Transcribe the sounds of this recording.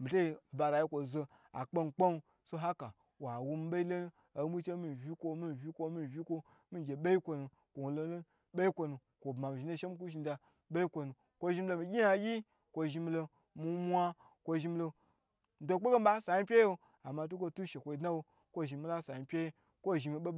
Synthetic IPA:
mi˨to˦i˦˨ba˨ɾa˨ji˦kʷo˨zo˧ | a̰˨k͡po˦n˨k͡po˦nu˧ | so˧ɦa˦ka˨ | wa˨wu˧mi˦ɓe˦i˦lo˦n˦ | a˨˦mu˦t͡ʃe˦mi˨vʲi˦kʷo˦mi˦m˨vʲi˦kʷo˧˦mi˦˨vʲi˦ko˦ | mi˦ɡʲe˨ɓe˦i˦kʷo˧nu˨ | ko˨wu˨lo˦lo˦n˦ɓe˦i˦kʷo˧nu˨ | kʷo˨bma˨m˨ʒi˨na˦ʃe˦m˦k̬u˦ʃi˧n˦da˧ | ɓe˦i˦kʷo˧nu˨ | kʷo˧ʒi˧m̩˦lo˧mi˨ɡʲi˦ja˨˧˦ɡʲi˦ | kʷo˧ʒi˧m˧lo˧ | mi˧mʷa˦ | kʷo˧ʒi˧m̩˧lo˧ | n̩˨do˦k͡pe˦ɡe˦m̩˦ɓa˦sa˨ji˦pʲe˦jo˦ | a˨ma˨t̬u˦k̬ʷo˧tu˦ʃe˨kʷo˨i˨dna˦wo˧ | kʷo˦ʒi˨mi˦la˦˨sa˨i˨˧pʲe˦je˦ | kʷo˦˨ʒi˨mi˧ɓe˦

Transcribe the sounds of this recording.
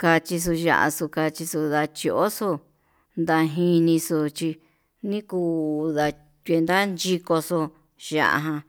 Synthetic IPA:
ka˧t͡ʃi˧s̬u˧ʒa̰˧ʔa̰˧su˧ka˧t͡ʃi˧su˧ða˧t͡ʃi˧o˦su˧ | nd̪a˧ɦĩ˧nĩ˧su˧t͡ʃi˧ | nĩ˦kuː˧˨ða˧ | t̪ʲʷe˧nd̪a˦nd͡ʒi˦˧ko˧su˧ | ʒa̰˧ʔa̰˧ɦã˧

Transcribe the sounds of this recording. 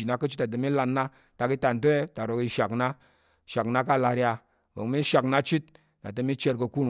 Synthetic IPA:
i˨na˦kə˦t͡ʃi˦ta˨t̬ə˨mi˦la˧nːa˦ | ta˨˧ki˦ta˨n˨t̬o˦e˦ta˨ɾo˨ki˧ʃa˨kna˦ | ʃa˨kna˦ka˦˨la˧ɾja˧ | wo̰˨ŋ˦mi˦ʃa˨kna˦t͡ʃi˦t̚ | na̰˨tə˧mi˦t͡ʃe˦˧ɾkə˧ku˦n

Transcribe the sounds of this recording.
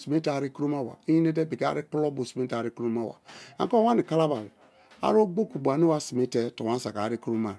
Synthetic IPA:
si˨me˦ta˨ɾi˦ku˦ɾo˦ma˦˨wa̰˨i˦i˦ne˦te˦bi˨ka̰˦ɾi˦pu˦lɔ˦bo˨si˨me˦ta˨ɾi˦ku˦ɾo˦ma˦˨wa̰˨a̰˨ŋ˦ko˦a˦ni˨ka˦la˦ba˨l | a̰˦ɾo˦ɡ͡bo˦ku˨bu˨a˨ni˦wa˦si˨me˦tɛ˦to˨wa˦sa̰˨ka˨ɾi˦ku˦ɾo˦ma˨

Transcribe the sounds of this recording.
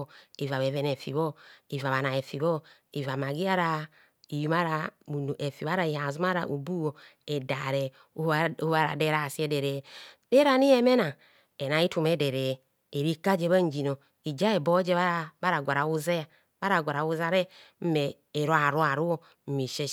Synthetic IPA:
i˨va˨βɛ˨vɛ˨nɛ˨fi˨βɔ˦i˨va˨βa˨na˨e˨fi˨βɔ˦ | i˨va˨ma˨ɡi˦a˦ɾa˦ | i˨ju˨ma˦ɾa˨u˨n˨ʔe˨fi˨βa˦ɾa˨i˨ha˨zu˦ma˦ɾa˨ʔu˨bu˦o˨ɛ˨da˨ɾɛ˨˦ | u˦a˦ɾa̰˨dɛ˦ɾa˦˨si˦ɛ˦dɛ˨ɾɛ˨dɛ˦ɾa˨ni˦ɛ˦me˦na˨ | ɛ˨na˨˦i˦tu˨mɛ˨˦dɛ˨ɾɛː˨ | ɾi˦ka˦d͡ʒɛ˦βa˦n˦d͡ʒi˨no˨ | i˨d͡ʒa˦ɛ˨bɔ˦d͡ʒɛ˦βa˦˨ba˦ɾa˨ɡʷa˨ɾa˨u˦ze˦ja˨ | ba˦ɾa˨ɡʷa˨ɾa˨u˦za˦ɾɛ˦m̩˦mɛː˨ | ɾo˦a˨ɾu˦a˨ɾu˦o˨ | m̩˦mi˨ʃe˦

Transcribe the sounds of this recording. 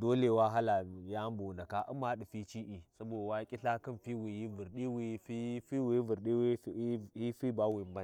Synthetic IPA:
do˦le˨wa˦ɦa˦la˨ja˦m˦bu˨na˨ka˦ʔu˦ma˦ɗi˨fi˦t͡ʃi˦ʔi˨sa˦bo˨da˨wa˦kʲʼi˦ɬa˦ki˦nfi˦wi˨ji˦vu˨ɾɗi˦wi˨˦fi˦fi˦wi˨i˦vu˨ɾɗi˦wi˦hi˦fi˦ba˦wi˨mba˦˨

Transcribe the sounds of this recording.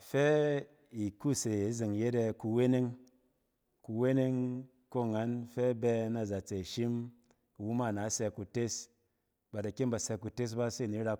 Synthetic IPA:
fɛ˦ | i˨ku˦˨se˨˦zɨ˨ŋ˨je˦de˧ku˧we˦ne˦ŋ | ku˧we˦ne˦ŋ | ko˦˨ŋa˨˦nfɛ˦bɛ˧na˨za˨t͡se˨ʃi˦m˨ | wu˦ma˦˨na˨˦sɛ˧ku˧te˦s | ba˨da˨ke˦nba˨sɛ˧ku˧te˦s̬ba˦se˦˨ni˨˦ɾa˧

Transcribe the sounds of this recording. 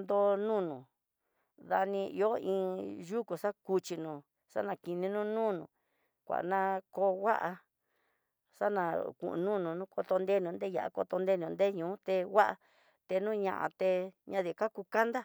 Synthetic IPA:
nd̪o˧nũ˦nũ˨ | ða˧nĩ˧ḭ˧o˦ĩː˧˦ʒu˦ku˨ʂa˦ku˧t͡ʃi˧nũ˨˧ | ʂa̰˦nã˧˨ki˧nĩ˧nũ˦nũː˦nũ˧˨ | kʷa̰˨ʔnã˦ko˧wa˦ʔa˧ | ʂa˦nã˧˨kṵ̃˨ʔṵ̃˧nũ˦nũ˨˧nũ˦ko˧t̪o˧nd̪e˦nũ˧nd̪e˦ja̰˨ʔa̰˨ko̰˧t̪o˧nd̪e˦˧nũ˧nd̪e˦ɲũː˨˦t̪e˧wa˦ʔa˧ | t̪e˧nũː˦ɲã̰˧ʔã̰˧t̪e˧ɲã˧ði˨ka˦ku˧ka˦nd̪a˦

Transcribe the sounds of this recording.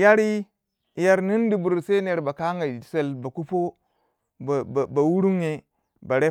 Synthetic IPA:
ja˦ɾi˦ | ja˦ɾni˦n˦di˨bu˨ɾsa˦ne˨ɾba˨ka˦ŋa˨se˦˨lba˨ku˦po˦˨ | ba˨wu˦ɾu˦ŋe˨ | ba˨ɾe˦

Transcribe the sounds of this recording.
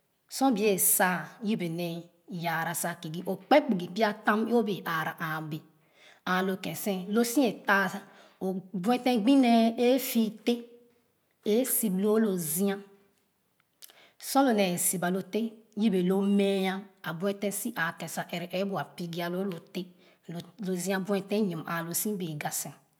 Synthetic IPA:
sɔ̃˦bi˨˦e˦˨sa˦˨ji˦be˨nɛ˨ | ja˨ɾa˨sa˨ki˨ɡi˦ʔo˨k͡pe˦k͡pi˨ɡi˨bi˦a˦tã˦m˦o˦be˨ʔa˨ɾa˨ʔa˨be˨ | a˨lo˨kɛ̃˨sɛ̃˦lo˦sĩ˦e˨ta˦sa˦ | o˨bu˦ɛ˦tɛ̃˦ɡ͡bĩ˦nɛ˦e˦fi˦te˦ | e˦si˨blo˦lo˨zi˦ã˦ | sɔ̃˦lo˨nɛ˨si˨ba˨lo˨te˦ji˦be˨lo˦me˦jã˦a˨bu˦ɛ˦tɛ̃˦si˦ʔa˨kɛ̃˨sa˨ʔe˨ɾɛ˨ʔe˦bu˨a˨pi˦ɡi˦a˨lo˦lo˨te˦˨ | lo˨zĩ˦a˦bu˦ɛ̃˨tɛ̃˦ɲĩ˨mʔa˨lo˨sĩ˦be˨ɡa˨sɛ̃˨

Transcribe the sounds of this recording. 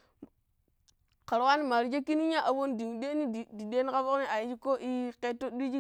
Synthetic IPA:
ka˨ɾwa˦ni˦ma˨ɾi˦d͡ʒe˦kːi˦ni˦ɲa˦ʔa˨wo˦ndi˨ŋ˨de˦ni˦ddi˨de˦ni˦ka˦fo˦kni˦a˨ji˦t͡ʃi˦ko˦ʔi˦ke˦to˦ɗi˦d͡ʒi˦

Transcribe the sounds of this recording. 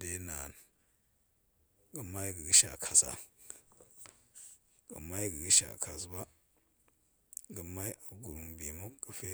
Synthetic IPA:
de˦na˨n | ɡə˨ma˦i˦ɡə˨ɡə˦ʃa̰˨kʰa˨sa̰˦ | ɡə̰˨ma˦i˦ɡə˨ɡə˦ʃa̰˨kʰa˨sba˦ | ɡə˨ma˦i˦a˨ɡu˨ɾu˨mbi˨mu˦ɡ̥ə˨fe˦

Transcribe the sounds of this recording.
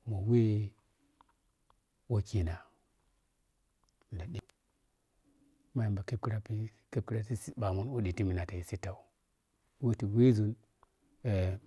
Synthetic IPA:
mo˨we˦ | wo˦ki˨na˨ | n˨da˨ɗi˨˦ | ma˦i˨mba˨ke˦ki˦ɾa˦pi˦ | ke˦p̚ki˦ɾa˦ti˦i˦ɓa˨mu˦n˦wu˦di˨ti˦mi˨na˨ta˨ji˨si˦ta˨u˨˦ | we˦ti˨we˦zu˨n | e˨

